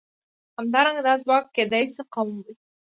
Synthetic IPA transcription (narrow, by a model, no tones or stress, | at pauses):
hamd̪ɑɾaŋɡad̪ɑz̬wɑkːed̪ajseqawmwi